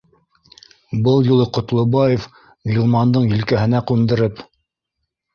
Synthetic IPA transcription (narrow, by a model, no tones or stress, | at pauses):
bɤlˠjulˠɤqŏt̪lˠɤ̆bɑjef | ɡilˠmɑnd̪ɤɴjĭlkæɦɘ̆næqund̪ɤ̆ɾɘp